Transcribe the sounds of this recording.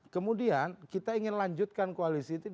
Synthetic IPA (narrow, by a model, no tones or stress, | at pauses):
kəmudiankit̪aiŋɪnlaɲd͡ʒʊt̪̚kankoalisiːt̪u